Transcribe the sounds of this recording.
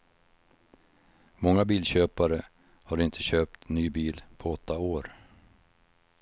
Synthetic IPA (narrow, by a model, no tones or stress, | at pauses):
mɔŋːabiːlɕøːpaɾə | haɾɪnt̪ʰəɕøːp̚t̪nyːbiːlpʰɔɔt̪ʰːaoːɾ